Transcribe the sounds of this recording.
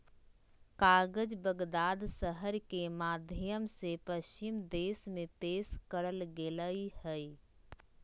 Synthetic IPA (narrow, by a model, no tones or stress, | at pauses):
kaːɡəd͡ʒbəɡd̪aːd̪səɦəɾkemaːd̪ʱjəmsepəʃt͡ʃɪmd̪eːsmẽpeːskəɾəlɡeləihɛ